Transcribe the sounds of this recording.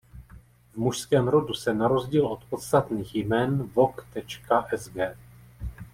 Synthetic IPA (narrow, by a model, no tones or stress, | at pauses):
vmuʃskɛːmɾo̞dusɛnaɾo̞zɟiːlʔo̞t̪po̞t̪st̪at̪niːxjmɛːnvo̞kt̪ɛt͡ʃkaʔɛzɡɛː